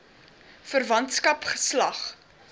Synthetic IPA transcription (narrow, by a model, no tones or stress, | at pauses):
fərvɐntskɐpχəslɐχ